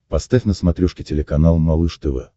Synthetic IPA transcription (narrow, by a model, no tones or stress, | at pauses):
pɐst̪afʲnəsmɐt̪ɾʲuʂkʲɪtʲɪlʲɪkɐnalˠmɐlˠɨʂt̪ɛvɛ̰